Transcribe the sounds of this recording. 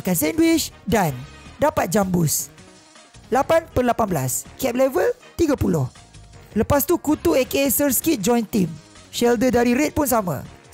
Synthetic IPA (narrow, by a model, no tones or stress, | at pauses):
akansɛndwit͡ʃdandapat̪̚d͡ʒambus | lapanpərlapanbəla̰skɛp̚lɛvəl | t̪iɡapulʊh | ləpast̪ukut̪uekesərskit̪̚d͡ʒɔ̃jnt̪im | ʃɛldədaɾiɾet̪̚puns̬amã̰